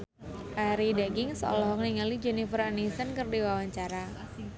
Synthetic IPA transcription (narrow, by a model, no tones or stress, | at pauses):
ʔaɾidaɡɪŋsɔ̰lɔɦɔkniŋalid͡ʒunifəɾanisənkərdiwawaɲt͡ʃaɾa